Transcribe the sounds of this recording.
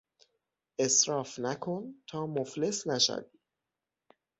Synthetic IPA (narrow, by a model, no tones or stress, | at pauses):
ʔe̞sɾɒːfnækʰont̪ʰɒːmofle̞snæʃæ̰vi